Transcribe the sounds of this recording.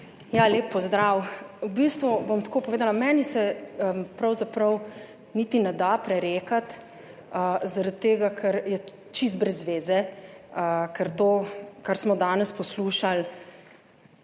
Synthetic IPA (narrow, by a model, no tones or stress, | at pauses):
jaleːpːɔzd̪ɾawwbist̪ʋubomt̪koːpɔʋeːd̪alamɛnisɛpɾɐwzapɾəw | nit̪inɛd̪apɾɛɾeːkat̪ | əzaɾat̪̚t̪ːeːɡakʰɛɾjɛ | t͡ʃist̪bɾɛzːʋeːzɛəkɛɾt̪oːkaɾsmɔd̪aːnɛspɔsluːʃal